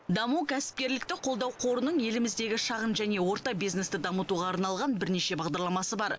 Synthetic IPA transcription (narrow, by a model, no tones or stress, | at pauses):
d̪ɑmukʲʰæsɪ̥p̚kʲe̞ɾlɪkt̪ɪqʰo̞lˠd̪ɑwqʰo̞ɾənəɴje̞lɪmɪzd̪e̞ɡʲɪʃɑʁənʒæne̞wo̞ɾt̪ɑbijzne̞st̪ɪd̪ɑmət̪uʁɑːɾnɑlˠʁɑnbɪɾne̞ʃe̞bɑʁd̪ɑɾlˠɑmɑsəbɑɾ